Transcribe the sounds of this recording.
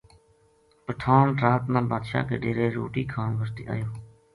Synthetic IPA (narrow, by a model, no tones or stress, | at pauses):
pəʈʰaːnɾaːt̪nãːbaːd̪ʃa̰ːkḛːɖeːɾeːɾo̰ːʈiːkʰaːmʋəɾt̪ḭːʔa̰ːjoː